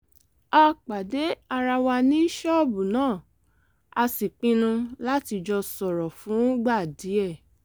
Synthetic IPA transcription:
a˧k͡pa˨de˨˦a˧ɾa˧wa˧nĩ˦i˦ʃɔ˦˨bu˨nãː˦˨ | a˧si˨k͡pĩ˧nũ˧la˦ti˧d͡ʒɔ˧sɔ˨ɾɔ˨fũ˨˦ɡ͡ba˦˨di˨˦ɛ˦˨

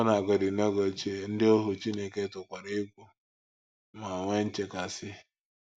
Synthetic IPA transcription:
na˨ɡɔ˨dɪ˨ne˦ɡo˨t͡ʃe˦˨n̩˦dɪ˦o˦ɦʊ˨t͡ʃi˦ne˨ke˦tʊ˨kʷa˨ɾɪ˦ɡʷu˦ | ma˨ŋʷe˦n̩˦t͡ʃe˦ka˨sɪ˦

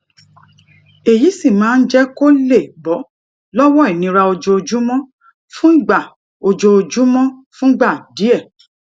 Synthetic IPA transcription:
e˨ji˨˦si˦˨mãː˨˦˧n̩˦d͡ʒɛ˦ko˦le˦˨bɔ˨˦ | lɔ˦wɔ˦i˨nĩ˧˦ɾa˧o˧d͡ʒo˧o˧d͡ʒu˨˦mɔ̃˦ | fũ˦ɡ͡ba˦˨ | o˧d͡ʒo˧o˧d͡ʒu˨˦mɔ̃˦fũ˦ɡ͡ba˦˨di˨˦ɛ˦˨

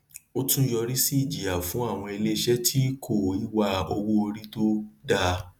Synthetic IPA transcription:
o˦tũ˦jɔ˧ɾi˦si˦˨d͡ʒi˨a˨fũ˨˦a˦˨w̃ɔ̃˧e˧le˦˧ʃɛ˦tʰi˦kʰo˦˨i˦wa˧o˧wo˦o˧ɾi˦to˦da˧

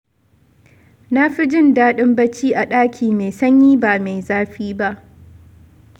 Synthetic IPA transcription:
na˦ɸi˦d͡ʒɪ˦ndaː˦ɗɪ˦mbɐ˦t͡ʃiː˦ʔa˨ɗaː˦kʲʰiː˨me˨sɐ˦ɲjiː˦baː˨me˨jzaː˦ɸiː˦ba˦ʔ

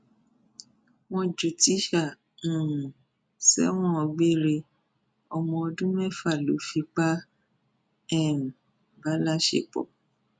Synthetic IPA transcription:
wɔ̃˧d͡ʒu˨ti˨˦ʃã˦˨˦ | sɛ̰˦w̃ɔ̃˦ɔ˧ɡ͡be˦ɾe˧ | ɔ˧mɔ̃˧ɔ˧dũ˦mɛ̃˦˨fa˦˨lo̰˨˦fi˧k͡pa˦ | ɛ˦˨m˨ | ba˨˦la˦ʃḛ˦˨k͡pɔ̰˨

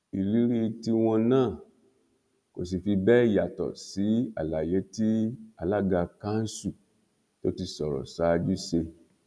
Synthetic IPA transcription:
i˨li˨˦ɾi˦˧ti˧w̃ɔ̃˧nãː˦˨ | ko˨s̬i˨fi˧bɛ˦˨ja˨tɔ̰˨si˨˦a̰˨la˨je˨˦ti˦a˧˨la˦˨ɡa˧ka˦n̩˦su˦˨ | to˦ti˧sɔ˨ɾɔ̰˨sa˨˦˧d͡ʒu˦se˧

